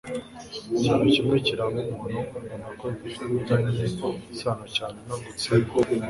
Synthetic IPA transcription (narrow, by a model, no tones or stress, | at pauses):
iciːnucimŋeciɾaβumuːnuonakoifutanieisaːnocaːnenaɡut͡se